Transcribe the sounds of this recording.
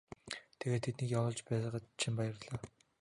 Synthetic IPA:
t̪ʰeɣeːt̪ʰet̪niːkjawʊːɮt͡ɕpæːsə̆χə̆t̪t͡ɕʰimpajə̆rɮaː

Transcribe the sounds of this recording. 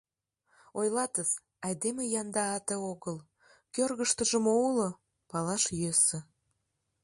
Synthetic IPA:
ojlɑt̪əz | ɑjd̪emejɑnd̪ɑːt̪eoɣəl | kørɣəʃt̪əʒəmoulo | pɑlɑʃjøsə̆

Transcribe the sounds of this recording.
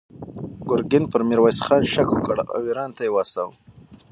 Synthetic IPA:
ɡʊɾɡɪnpəɾmiɾwajsxɑːnʃakukəɽa̰wiɾɑːnt̪ajewɑsaw

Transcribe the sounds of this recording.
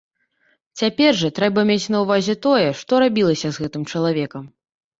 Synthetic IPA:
t͡sʲapʲɛrʐɐt̪ɾɛbɐmʲet͡sʲnɐwvazʲɛt̪ɔjɛʂt̪ɔɾabʲilˠɐsʲɐzɣɛt̪ɨmt͡ʂɐlˠavʲɛkɐm

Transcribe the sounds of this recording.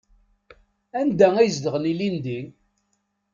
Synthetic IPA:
ænd̪æŋæjzd̪əʁənilind̪in

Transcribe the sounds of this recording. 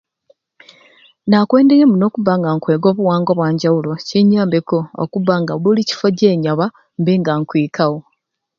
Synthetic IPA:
nakwe̞ːndejemuno̞ːkuβaŋɡaŋkwe̞ːɡo̞ːβuwaːŋɡoβwaːɲɟawulo̞ciɲaːmbeko̞̰ːkuβaŋɡauloːlici̥foɟeːɲaβa | mbeŋɡaŋkwiːkawo

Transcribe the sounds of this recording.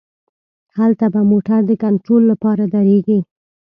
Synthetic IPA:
halt̪abamoʈaɾd̪əkaɳʈɾolːapɑɾad̪aɾeɡi

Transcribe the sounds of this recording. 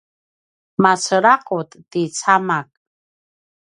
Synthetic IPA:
mat͡sʰəɾaqʼut̪ʼːit͡sʰamak̚ʼ

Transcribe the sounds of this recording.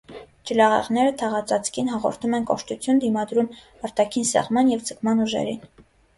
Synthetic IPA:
d͡ʒəlɑʁɛ̰ʁnɛɾət̪ʰɑʁɑt͡sɑt͡sʰkʰinɦɑʁɔ̰ɾt̪ʰumɛnkɔʃt̪ut͡sʰjund̪imɑd̪ɾum | ɑɾt̪ɑkʰinsɛ̰ʁmɑnjɛvd͡zəkʰmɑnuʒɛ̰ɾin

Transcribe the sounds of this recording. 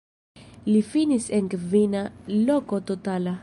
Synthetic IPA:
lifinisɛŋkvinalɔkot̪ot̪ala

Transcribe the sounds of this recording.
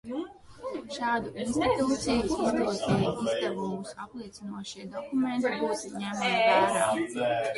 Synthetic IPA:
ʃɑːd̪uʔinst̪i̥t̪uːt̪sijuid̪usnʲɛjʔizd̪aɾɡumusaplˠiɛsinuɔʃiɛd̪ɔkumɛ̃nt̪ibuːsɲæmamvæːɾaː

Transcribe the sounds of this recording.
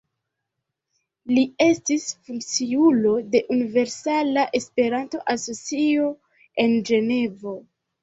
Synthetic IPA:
lie̞stisfuŋkt͡siulo̞de̞ʔunive̞ɾsalaʔespe̞ɾanto̞ʔaso̞t͡sio̞ | e̞nd͡ʒe̞ne̞vo̞

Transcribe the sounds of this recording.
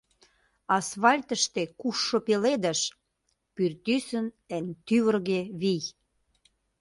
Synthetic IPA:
ɑsfɑlʲt̪əʃt̪ekuʃːopeled̪ə̆ʃ | pyrt̪ysən | ent̪yβərɣeβij

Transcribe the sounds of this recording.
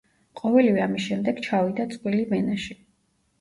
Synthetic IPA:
qʼɔvɛlivɛamisʃɛmd̪ɛɡ̥t͡ʃʰavid̪at̪sʼqʼwilivɛnaʃi

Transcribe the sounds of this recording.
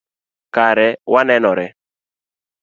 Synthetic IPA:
kaɾɛwanɛnɔɾɛ

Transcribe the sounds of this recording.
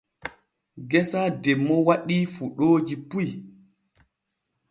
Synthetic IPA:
ɡɛsadɛmːɔwaɗifuɗoːd͡ʒipuj

